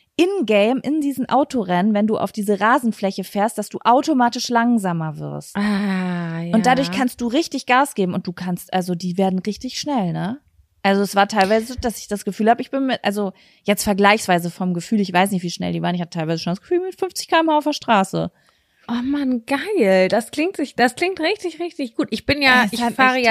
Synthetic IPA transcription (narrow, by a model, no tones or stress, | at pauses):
ʔɪnɡɛɪmʔɪndiːzn̩ʔaʊtoʁɛnənvɛnduːʔa̰ʊfd̥iːzəʁaːzn̩flɛçəfeːɐst̚d̥asd̥ṵːʔaʊtomaːtɪʃlaŋzaːmɐvɪ̰ɐsta | jʊntd̥adʊɐçkʰanst̚d̥uːʁɪçtɪçɡ̥aːsɡ̥eːbm̩ʊnt̚d̥uːkʰanstʔalzodiːveːɐdn̩ʁɪçtɪçʃnɛlnə | ʔalzoɛsv̥aːɐtʰaɪlvaɪzəzd̥asɪ̥çd̥asɡ̥əfyːlhaːbəɪçb̥ɪnmɪʔalzo | jɛt͡stfɛɐɡlaɪçsv̥aɪzəfɔmɡəfyːlɪçv̥aɪs̬nɪçtv̥iːʃnɛ̰ldiːvaːʁənɪçhatətʰaɪlvaɪzəʃondasɡ̥ə̥fyːlmɪtfʏnft͡sɪ̥çkʰaːɪmaaʊfɐʃtʁ̥aːsə̰ | omanɡ̥aɪld̥askl̥ɪŋtz̥ɪçd̥askl̥ɪŋktʁɪçtɪçʁɪçtɪçɡ̥uːtʔɪçb̥ɪnjaːɪfaːʁəja